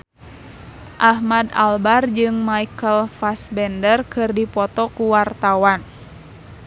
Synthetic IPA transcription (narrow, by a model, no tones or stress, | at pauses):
ʔahmada̰lbard͡ʒɨŋmaikəlfasbɛndərkɨrdipɔt̪ɔkuwart̪awan